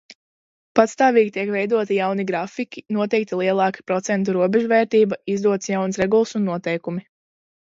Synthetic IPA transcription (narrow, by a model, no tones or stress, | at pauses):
pat̪st̪ɑːviːɡʲit̪iɛkvɛjd̪uɔt̪ijawniɡɾafikʲinuɔt̪ɛjk̚t̪ilˠiɛlˠɑːki̥pɾɔt̪sɛnt̪uɾuɔbɛʒuvɛːɾt̪iːbaizd̪uɔt̪sjawnsɾɛɡulˠsunːuɔt̪ɛjkumi